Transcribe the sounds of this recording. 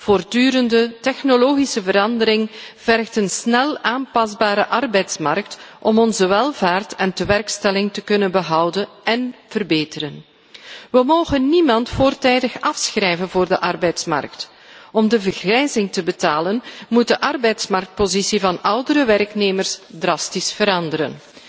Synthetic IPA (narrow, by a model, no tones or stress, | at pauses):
v̥oːrdyːɾəndətɛxnoloːɣisəvəɾɑndəɾɪŋv̥ɛrxtənsnɛlaːmpɑzbaːɾəʔɑrbɛjtsmɑ̰rk̚tʔɔmɔnzəʋɛlˠvaːrtɛntəʋɛrkstɛlɪŋtəkɵnənbəɦɑwdənɛnv̥ərbeːtəɾən | ʋəmoːɣənːimɑntfoːrtɛjdəxɑfsxrɛjvənvoːrdəʔɑrbɛjtsmɑ̰rk̚t | ɔmdəvərɣrɛjzɪŋtəbətaːlənmut̚dəʔɑrbɛjtsmɑrk̚t̚pozisivɑnʔʌwdəɾəʋɛrkneːmərsdrɑstisfəɾɑndəɾə̰n